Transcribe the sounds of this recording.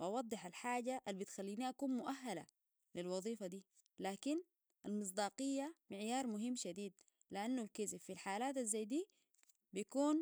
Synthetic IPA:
wʔɑwɑd̪ˤːɨħalħaːɟaʔalbit̪xalːiːniːʔakuːnmʊʔaɦːala̰ | lilwɑðˤiːfad̪iː | laːkin | ʔalmɨs̬ˤd̪ɑːqijːamɪʕjɑːɾˤmʊɦimːʃad̪iːd̪̚ | liʔanːulkizibfilħaːlaːt̪azːajd̪iː | bijkuːn

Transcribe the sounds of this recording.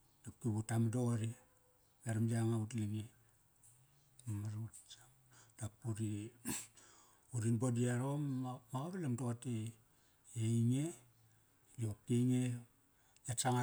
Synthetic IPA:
d̥apkiβutamdoɾi | ɡaɾamd͡ʒaŋautliɡe | amaɾut͡ʃa | d̥apuɾi | uɾinbodiaɾommaaβilamdoate | eiŋe | jokeŋe | jat͡ʃaŋa

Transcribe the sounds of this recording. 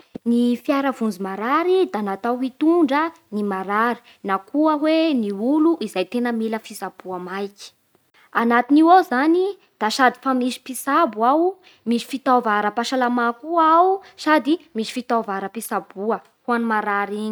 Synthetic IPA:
nifjaɾəvund͡zimaɾaɾid̪anat̪awɦit̪uɳɖ͡ʐə | nimaɾaɾi̥ | nakuəɦweniuluʔizajt̪enəmiləfisab̥uamajki̥ | anat̪iniwazani | d̪̥asad̪i̥famisi̥pisabwaw | miʃi̥fit̪avaɾəpaʃalamakuawsad̪imiʃi̥fit̪avaɾəpisabuə | huanimaɾaɾiɲi

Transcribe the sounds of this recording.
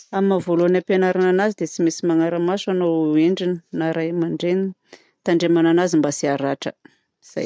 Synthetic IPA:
amavoluanapenaɾananazid̪et͡simesimaŋaɾəmasanoeɳɖ͡ʐinənaɾajmaɳɖ͡ʐeni | t̪aɳɖ͡ʐemananazimbasiaɾaʈ͡ʂə̰ | z̥a̰j

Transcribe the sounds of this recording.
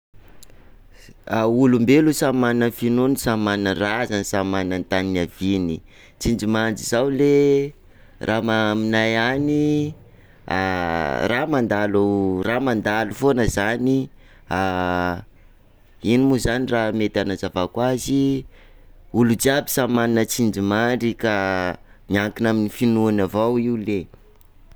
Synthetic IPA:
aulumbelusamanənfinonisamannərazanisamanant̪aninavini | t͡sind͡ʒimand͡zizawle | rʔamaminajani | a̰ramand̪aluramand̪alufonəzani | a | inimuzaniramet̪anazavakwazi | ulud͡ʒiabi̥samaninət͡sind͡ʒimaɳɖ͡ʐika | miaŋkinaminifinuanavawiule

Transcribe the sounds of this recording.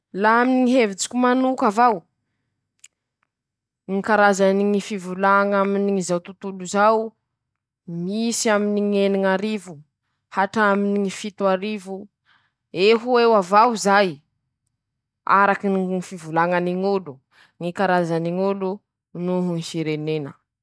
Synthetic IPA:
laaminiŋiɦevit͡si̥kʲumanukavaw | ŋikaɾazaniŋifivulaŋaminiŋizawt̪ut̪uluzaw | misiaminiŋeniŋaɾivu | haʈ͡ʂaminiŋifit̪uaɾivu | eɦuewavawzaj | a̰ɾakinŋifivulaŋaniŋulu | ŋikaɾazaniŋulu | nuɦuŋihiɾenenə

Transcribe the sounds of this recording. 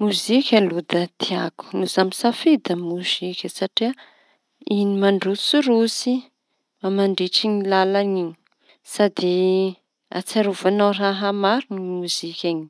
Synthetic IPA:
muzikʲəlud̪ət̪iaku̥nuzamisafed̪əmuz̥ikʲəsaʈ͡ʂia | inimaɳɖ͡ʐusuɾusi | mamaɳɖ͡ʐeʈ͡ʂiŋilalaniɲi̥ | sad̪i | a̰t͡saɾuvanawraɦəmaɾunimuzikʲani̥

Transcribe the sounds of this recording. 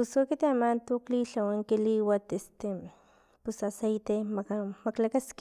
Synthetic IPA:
pʊsokit̪emant̪ukliɬawaŋkiliwat̪est̪e | pusasejt̪emamaklakask

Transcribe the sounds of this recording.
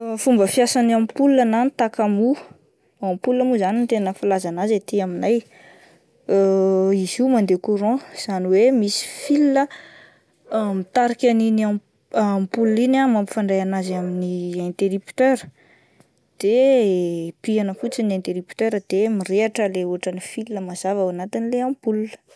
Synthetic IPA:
fumbəfiasanampulananit̪akamu | ampulamuzanint̪enəfilazanazet̪iaminaj | izimand̪ekuɾɔ̃z̥aniwemisi̥filnə | mit̪aɾikʲanina | apulinamampi̥faɳɖ͡ʐajanazaminiɛ̃nt̪eɾipt̪øɾə | d̪̥e | pianəfut͡siniẽnt̪eɾipt̪øɾəd̪̥emireaʈ͡ʂəleuaʈ͡ʂənifilnəmaz̥avawanat̪inleãmpuluə̥

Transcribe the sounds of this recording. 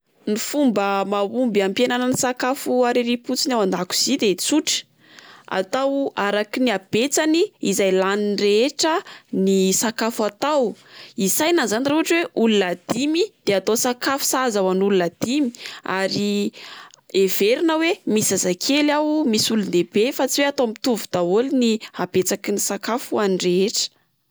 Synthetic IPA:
nifumbəmaumbiampjananənisakafuaɾeɾiput͡sinawand̪aku̥z̥id̪et͡suʈ͡ʂə̥ | a̰t̪awaɾakiniab̥et͡saniizajlaninreeʈ͡ʂənisakafuat̪awisajnazanireɦaʈ͡ʂweʔulunad̪̥imid̪̥eat̪osakafu̥sazawanulunad̪̥imi̥a̰ɾi | eveɾinəwemisazakʰelawmisuluneb̥efat͡siweat̪omit̪uvud̪̥aolinihab̥et͡sakinisakafuanireeʈ͡ʂə̥

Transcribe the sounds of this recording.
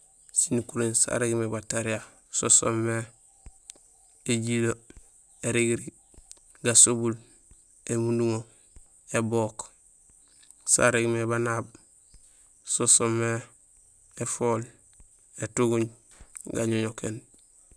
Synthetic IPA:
sinukuɾiɲsa̰ɾeɡmebataɾia | sosomːe | eɟilo | eɾiɡiɾi | ɡasobul | emunduŋo | ebok | sa̰ɾeɡmebanaːb̚ | sosomːe | efol | etuɡuɲ | ɡa̰ɲoɲoken

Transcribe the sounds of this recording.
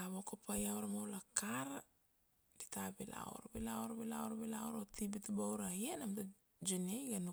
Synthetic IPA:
aβokopʰajawɾamawlakaɾa | ditabila̰o̰ɾbilaoɾabilaoɾabilaoɾotibitubawɾajenamta | d͡ʒunajɡanu

